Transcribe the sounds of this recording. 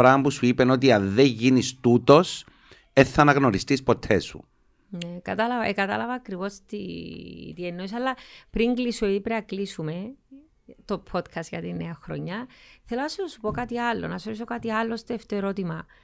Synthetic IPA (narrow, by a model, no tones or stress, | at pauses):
ɾɐmpusuipeno̞t̪̬iɐnðeɲʝinist̪ut̪o̞s | eθːɐnɐɣno̞ɾist̪ispo̞t̪ʰesṵ | nekɐt̪ɐlɐvɐʔekɐt̪ɐ̰lɐvɐːkɾivo̞st̪ḭ | t̪ienːoisɐlːɐpɾiŋɡlisoipɾeɐklisume̞ | t̪o̞pʰo̞t̪kʰɐst̪ʝɐt̪inːeɐxɾo̰ɲːɐθelonɐsosupo̞kat̪iɐlːo̰nɐsoɾis̬o̞kat̪iɐlːost̪oeft̪oeɾot̪imɐ